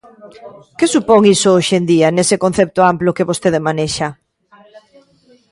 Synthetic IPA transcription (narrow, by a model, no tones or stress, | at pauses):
kesupoŋisooʃend̪ianesekon̟θep̚t̪oamplokeβost̪eðemaneʃa